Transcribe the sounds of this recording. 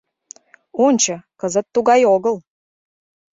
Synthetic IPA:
onʲt͡ɕə̆kəzə̆t̪ːuɣɑjoɣəl

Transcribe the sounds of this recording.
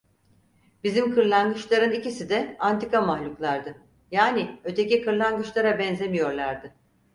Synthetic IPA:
b̥izimkʰɯɾlˠanɡɯt͡ʃlˠaɾɯnicisid̪ɛant̪ikamahlʲuklˠaɾd̪ɯ | jaːniø̞t̪ʰe̞cikɯɾlˠanɡɯt͡ʃlˠaɾabɛnze̞mijo̞ɾlˠaɾd̪ɯ

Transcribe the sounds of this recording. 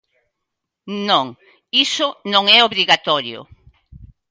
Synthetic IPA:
nõŋ | isʊnõŋɛoβɾiɣat̪ɔɾjʊ̰

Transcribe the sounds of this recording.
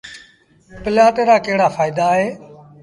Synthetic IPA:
pɪlaːʈeːɾaːkəɦɪɽaːfʰaːɪd̪aːɦeː

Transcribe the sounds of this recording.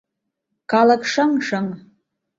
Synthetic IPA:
kalakʰʂaŋʂaŋ

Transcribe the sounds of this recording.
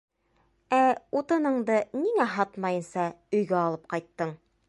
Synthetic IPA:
æut̪ɤ̆nɤ̆ɴd̪ɤniŋæɦɑt̪mɑjɤ̆nsɑɵ̆jɡæɑlˠɤp̚qɑjt̪ːɤɴ

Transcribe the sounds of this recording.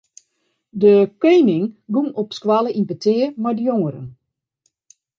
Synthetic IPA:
dəkøːmɪŋɡunɔpskwaləʔinpətʰɪəmajdəjoŋəɾə̰n

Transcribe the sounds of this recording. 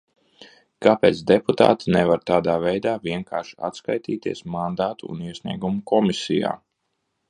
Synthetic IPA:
kaːpeːt̪sd̪ɛput̪a̰ːt̪inɛvaɾt̪aːd̪aːvɛjd̪aːviɛŋkʰa̰ːɾʃi̥a̰t̪skajt̪iːt̪iɛsmand̪aːt̪ṵːniɛsʲnʲḭɛɡumukɔmisḭja̰ː

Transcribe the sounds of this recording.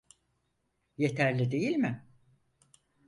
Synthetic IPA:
je̞t̪ʰæɾlʲid̪e̞jilʲmɪ

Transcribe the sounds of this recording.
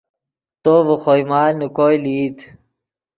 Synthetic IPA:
t̪oːʋuxojmaːlnukoːjliːt̪

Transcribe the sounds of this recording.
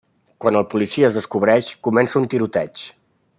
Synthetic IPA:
kwanəlˠpulisiəːzðəskuβ̞ɾɛʃkumɛnsəunt̪iɾut̪ɛt͡ʃ

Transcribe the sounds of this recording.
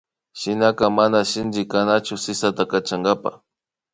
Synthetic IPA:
ʃɪnakamanaʃɪnd͡ʒɪkanat͡ʃʊsɪsat̪akat͡ʃaŋɡapa̰

